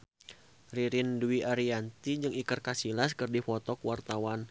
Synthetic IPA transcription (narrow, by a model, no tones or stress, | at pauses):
riɾinduiʔaɾiant̪id͡ʒɨŋikərkasilaskɨrdifɔt̪ɔkwart̪awan